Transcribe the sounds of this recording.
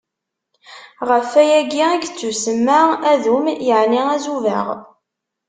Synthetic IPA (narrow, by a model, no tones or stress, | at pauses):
ʁəfæjæɡiæɡt͡sːusəmːaʁæðumjəʕniæzuvə̰ʁ